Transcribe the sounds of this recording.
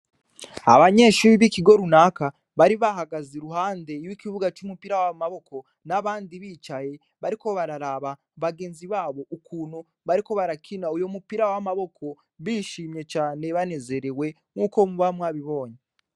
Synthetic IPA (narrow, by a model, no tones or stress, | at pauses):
a̰βaɲe̞ʃuːɾiβikiɡo̞ɾunaːka | βaɾiβaɦaɡaziɾuɦaːnde̞wikiβuɡat͡ʃumupiɾawamaβo̞kʰo̞ | naβaːndiβiːt͡ʃaje̞ | βaɾiko̞βaɾaɾaβa | βaɡe̞ːnziβaːβo̞ʔukuːn̥hu | βaɾiko̞βaɾakʰinaujo̞mupiɾawamaβo̞kʰo̞ | βiʃiːmɲe̞t͡ʃaːne̞βane̞ze̞ɾewe̞ | ŋuːko̞muβamwaβiβo̞ːɲe